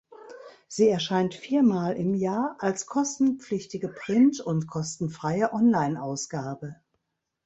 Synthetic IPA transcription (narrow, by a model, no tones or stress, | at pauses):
z̥iːɛɐʃaɪntfiːɐmaːlʔɪmjaːɐʔalskʰɔstn̩pp͡flɪçtɪɡəpʁ̥ɪntʊntkʰɔstn̩fʁ̥aɪəʔɔnlaɪnʔaʊsɡ̥aːbə